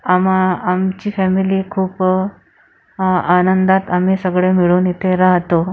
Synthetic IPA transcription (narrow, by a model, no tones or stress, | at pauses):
amaːmt͡ɕiːfɛmiliːkʰuːp | anənd̪at̪am̤iːsəɡɭemiɭuːnit̪ʰeɾaɦt̪o